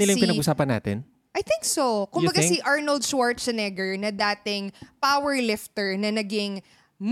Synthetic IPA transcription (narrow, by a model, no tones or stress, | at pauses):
nɪlajʊpɪnɐɡʊsaːpɐnːa̰ːt̪ɪ̰n | ʔɐjθɪ̃ŋksokʊmbɐɡsiʔaɹnɐld̪̚ʃwaɹt̪sɛnɛɡɛɹnɐd̪aːt̪ɪŋpawɛɹlɪft̪ɛɹnɐnɐɡɪŋ | m